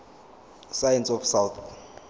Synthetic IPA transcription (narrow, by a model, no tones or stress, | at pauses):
sajɛnsɔfsawt̪